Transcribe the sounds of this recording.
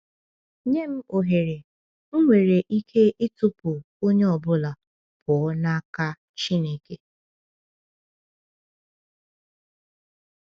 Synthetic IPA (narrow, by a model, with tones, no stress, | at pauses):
ɲe˦m̩˦o˨ɦe˨ɾe˨˦ | ŋʷe˨ɾe˨ʔi˦kʰe˦ʔɪ˦tʊ˦pʊ˨ | o˦ɲe˦ɔ˨bʊ˦la˨ | pʰɔ˨˦na˦ka˦ | t͡ʃi˦ne˦ke˨